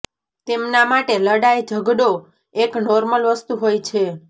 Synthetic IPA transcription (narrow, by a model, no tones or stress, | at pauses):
t̪emnamaʈeləɽajd͡ʒʱəɡɖo | eknɔɾməlʋəst̪uɦojt͡ʃʰe